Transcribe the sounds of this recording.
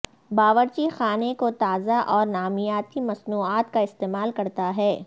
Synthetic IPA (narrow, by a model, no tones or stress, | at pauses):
baːʋəɾt͡ʃixaːnekot̪aːzaʔɔːɾnaːmijaːt̪imɐsnuːaːt̪kaɪst̪eːmaːlkɐɾt̪aɦɛː